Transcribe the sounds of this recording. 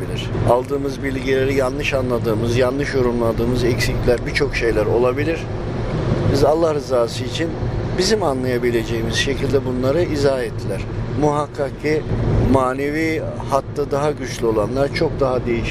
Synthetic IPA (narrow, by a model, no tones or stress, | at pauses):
ilʲiɾ̥alˠd̪ɯːmɯzbilʲɟilʲe̞ɾijanlˠɯʃanlˠad̪ɯːmɯzjanlˠɯʃjo̞ɾumlˠad̪ɯːmɯzɛcsiclʲæɾbit͡ʃʰo̞kʃe̞jlʲæɾo̞lˠabilʲiɾ̥ | bizalˠːahɾɯzaːsɯit͡ʃʰinbizimanlˠajabilʲe̞d͡ʒe̞jimiz̥ʃe̞cʰilʲd̪ɛbunlˠaɾɯizaːɛt̪ʰːilʲæɾ̥muɦakʰːakimaːne̞viː | hat̪ːad̪aɦaɟyt͡ʃlʲyo̞lˠanlˠaɾt͡ʃʰo̞k̚d̪aɦad̪e̞jiʃ